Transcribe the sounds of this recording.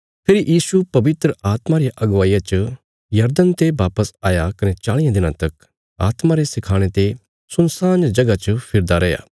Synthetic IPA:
pʰɪɾijʔiːsupɐʋɪt̪ɾəaːt̪maɾɪjaʔɐɡʋaːijat͡ʃə | jɐɾd̪ənt̪ebaːpəsaːjakɐnet͡ʃaːɭɪjãd̪ɪnãt̪ɐk | a̰ːt̪maɾesɪkʰaːɽ̃et̪e | sʊnsaːnd͡ʒɐɡat͡ʃəpʰɪɾd̪aɾɐja̰ː

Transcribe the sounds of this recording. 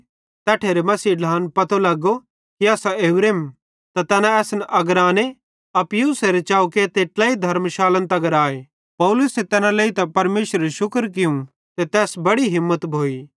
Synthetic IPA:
t̪ɛːʈʰeːɾemɐsiːɖʱaːnpɐt̪ʰolɐɡo | kiɛːsaeːbɾeːm | t̪at̪ɛːnãɛːsnɛʔɐɡɾaːne | ɐpjuːseɾet͡ʃaːuket̪eːʈlaːid̪ʱɐɾmʃaːlə̃nt̪ɐɡəɾaːe | pɐʊlʊset̪ɛːnãleit̪ɐpɐɾmeːʃɾəeʃʊkɾk̬ɪjũ | t̪et̪ɛːsbɐɽiɦɪmːət̪bʱoːiː

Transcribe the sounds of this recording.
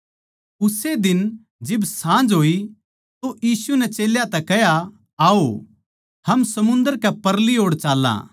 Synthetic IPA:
ʊsed̪ɪn | d͡ʒɪbsãːd͡ʒɦoːi | t̪ojiːsunɛt͡ʃeːljat̪ɛkɛɦja | aːo | hɐmsɐmʊ̃nd̪əɾkɛpɐɾliɦoːɽt͡ʃaːlːã̰ː

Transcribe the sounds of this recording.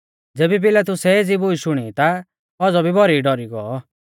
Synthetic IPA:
d͡zeːbip̬ɪlat̪ʊsɛid͡zibʊiʃʊɽ̃it̪a | ɔd͡zɔbʱibɔɾiɖɔɾiɡɔɔ

